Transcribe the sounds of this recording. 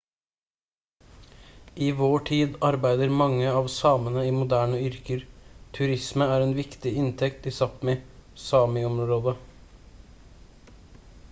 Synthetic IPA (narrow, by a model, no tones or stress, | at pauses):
ʔiːʋoːʈʰiːd̪ɑɾbæɪd̪əɾmɑŋːəɑːʋsɑːmənəiːmʊd̪æːɳəʏɾkəɾt̪ʰʉɾɪsməæɾeːnʋɪkt̪ɪɪnt̪ʰɛkt̪ɪsɑpmeːsɑːmɪɔmɾoːd̪ə